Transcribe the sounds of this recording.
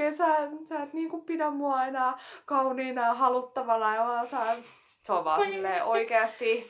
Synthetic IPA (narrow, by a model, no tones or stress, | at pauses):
esæːsæːt̪niːŋkuppidæmːuɑɑinɑːkɑuniːnɑːhɑlut̪ːɑʋɑlɑjɑolɑsæː | si̥t̪sɑʋɑ̰ːmilːeʔoikeɑst̪i